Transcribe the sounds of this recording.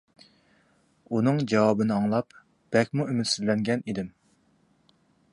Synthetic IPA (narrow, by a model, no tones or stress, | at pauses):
unɨŋd͡ʒɑwɑbɨnɨɑŋlˠɑp | b̥ɛkʲmuymɪt̪syzlɛŋɡʲɛnid̪ɪm